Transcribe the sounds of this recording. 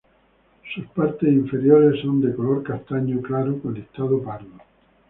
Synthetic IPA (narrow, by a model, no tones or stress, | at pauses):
suspaɾt̪esiɱfe̞ɾjoɾesːo̞nd̪ekolo̞ɾkast̪aɲoklaɾukoneht̪aðopaɾðo